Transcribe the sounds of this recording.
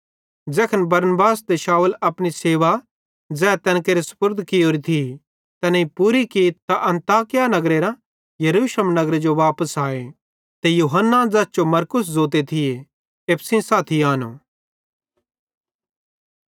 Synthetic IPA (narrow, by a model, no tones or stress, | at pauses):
d͡ʒɛːkʰənbɐɾnbaːsd̪eʃaːulɐpɽ̃iseːʋa | d͡zɛːt̪ɛ̃ːnkeːɾesʊ̥pʊɾd̪ʱkɪjoːɾit̪ʰi | t̪ɛnɐipuɾikit̪aʔɐ̃nt̪aːkɪjanɐɡɾeɾa | jɐɾuːʃələmnɐɡɾed͡ʒoʋaːpəsaːe | t̪ejuːɦənːad͡zɐsd͡ʒomɐɾkʊs̬zoːt̪̬et̪ʰɪje | epʰsĩsaːt̪ʰiaːno̰ː